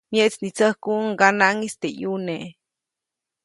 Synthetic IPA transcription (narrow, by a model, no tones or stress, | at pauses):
mjeʔt͡snit͡səhkuŋɡanaŋist̪ejuneʔ